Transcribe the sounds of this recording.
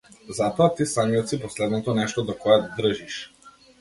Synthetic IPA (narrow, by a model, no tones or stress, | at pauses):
zat̪ɔat̪isamiɔt̪sipɔslɛd̪nɔt̪ɔnɛʃt̪ɔd̪ɔkɔad̪r̩ʒiʃ